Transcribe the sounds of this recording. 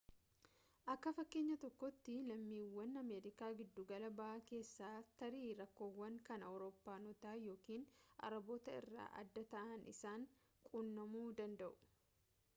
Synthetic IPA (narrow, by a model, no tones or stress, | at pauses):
ʔɐkːɐfɐkːe̞ːɲːɐt̪ɔkːɔt̪ːɪlɐmːiːwːɐnːɐme̞ːɾɪkaːɡɪd̪ːuɡɐlɐbɐʔake̞ːsːaːt̪ɐɾiːɾɐkːo̞ːwːɐŋkɐnɐwɾo̞ːpːaːnɔt̪aːjo̞ːkiːnʔɐ̰ɾɐbo̞ːt̪ɐɪ̰rːa̰ːʔɐ̰d̪ːɐt̪ɐʔɐnʔɪ̰saːŋ | kʼunːɐmuːd̪ɐnd̪ɐʔʊ̥